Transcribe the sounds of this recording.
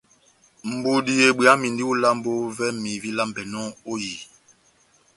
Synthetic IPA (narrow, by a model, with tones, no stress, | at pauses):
m̩˨bu˦di˦je˨ɓi˨a˦mi˨ndi˦u˦la˦m˦bo˦vɛ˦mi˨vi˦la˦m˨bɛ˨nɔ˦o˦ji˨